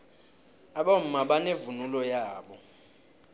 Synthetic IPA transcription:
aɓam̩maɓanevunulɔjaːɓɔ

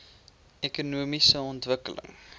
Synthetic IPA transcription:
ɛkunuəmisəɔntvəkələ̰ŋ

